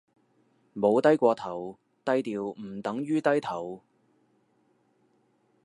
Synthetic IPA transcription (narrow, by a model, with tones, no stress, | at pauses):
mo˨˧wt̪ɐ˥jkʷɔː˧t̪ʰɐ˨˩w | t̪ɐ˥jt̪iː˨wm̩˨˩t̪ɐ˨˥ŋjyː˥t̪ɐ˥jt̪ʰɐ˨˩w